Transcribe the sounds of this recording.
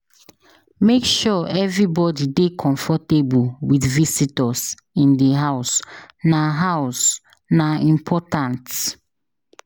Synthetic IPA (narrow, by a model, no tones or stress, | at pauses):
mekʃɔɛvɹibɔdidekʰɔ̃ɱfɔtebuwiθvisitɔs | ĩndəɦaʊs | naɦaʊs | naĩmpʰɔtãnt